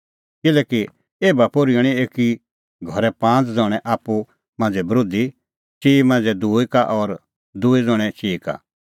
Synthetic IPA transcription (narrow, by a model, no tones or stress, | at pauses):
kɪlɛːki | eːbapoɾiəɽ̃ieːki | ɡʱɔɾɛpãːt͡sd͡zɔːɽ̃ɛʔaːpːu | mãːnd͡zɛbɾoːd̪i | t͡ʃiːmãːnd͡zɛd̪uːikaʔɔɾ | d̪uːid͡zɔːɽ̃ɛt͡ʃiːka̰